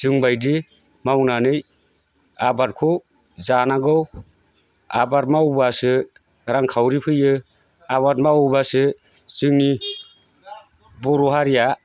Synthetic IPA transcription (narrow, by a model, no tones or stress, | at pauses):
z̥ɯŋbajdi | mawnanɯj | abat̚kʰɔ | zanaɡɯw | a̰baɾmaubasɯ | ɾaŋkʰawɾipʰɯjɯ | aβat̚maubasɯ | z̥ɯŋni | bɔɾɔhaɾija